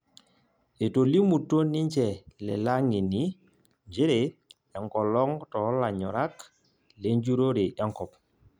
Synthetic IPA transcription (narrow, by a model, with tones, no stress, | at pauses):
e˨to˨li˦mu˨tːo˦ni˦ɲt͡ʃɛ˨lɛ̰˨la˦ŋi˨ni˨˦ | ɲd͡ʒi˦ɾe˨ | a˨ŋkɔ˨lɔ˦ŋtɔ˨˦la˨ɲɔ̰˨ɾa˦k | le˦ɲd͡ʒu˦ɾo˦ɾi˨ja˦ŋkɔ˨p